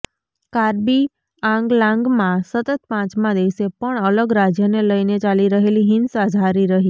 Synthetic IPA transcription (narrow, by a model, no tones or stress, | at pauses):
kaɾbi | ãŋɡlãŋɡmãsət̪ət̪̚pãt͡ʃmãd̪eʋsepəɳələɡɾad͡ʒjəneləjnet͡ʃaliɾəɦeliɦɪnsad͡ʒʱaɾiɾəɦi